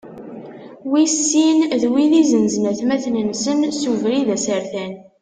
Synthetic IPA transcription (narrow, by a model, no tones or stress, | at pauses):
wisːinðwiðizənznəθmæθnənsənsuvɾiðæsəɾθæn